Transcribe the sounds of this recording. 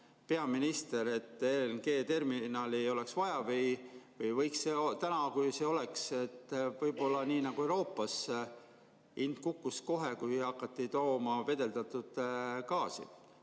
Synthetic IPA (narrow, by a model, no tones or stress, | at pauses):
pe̞ɑminist̪e̞ɾe̞t̪ːenɡ̥e̞ːt̪e̞rminɑːlio̞le̞ksvɑjɑvɤjvɤjvɤjksːeot̪ænɑkujseo̞le̞kse̞t̪ːvɤjbo̞lːɑniːnɑɡ̥uewɾo̞ːpːˑɑs | ind̪̚kukːusko̞ɦe̞kujɑkːˑɑt̪ːit̪o̞ːmɑve̞d̪e̞ld̪ɑt̪ːˑud̪̥kɑːsḭ